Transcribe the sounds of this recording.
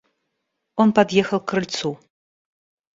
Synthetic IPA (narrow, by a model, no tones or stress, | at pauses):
ɔnpad̪jexɐlkʰrɨlʲt͡sʰu